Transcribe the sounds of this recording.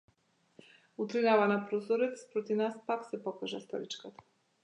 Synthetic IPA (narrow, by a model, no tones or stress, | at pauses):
ut̪ɾinavanapɾɔzɔɾɛt̪spɾɔt̪ivnaspaksɛpɔkaʒast̪ɔ̰ɾit͡ʃkat̪ḁ